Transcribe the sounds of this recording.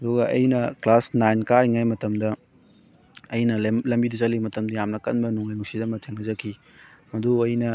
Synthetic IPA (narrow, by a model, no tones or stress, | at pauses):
ɐduɡɐʔɐ̰jnɐklasnajnkaɾiŋajmɐtɐmdɐ | ɐjnɐlɐmbidizɐlimɐtɐmdɐjamnɐkɐnbɐnuŋɐjŋusidɐmɐtʰeŋnɐzɐkʰi | mɐduɐjnɐ